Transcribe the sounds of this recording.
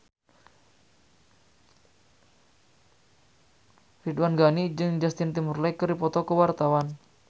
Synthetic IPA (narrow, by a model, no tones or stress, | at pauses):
fidwanɡanid͡ʒɨŋd͡ʒast̪int̪imurlakərdipɔt̪ɔkəwart̪awan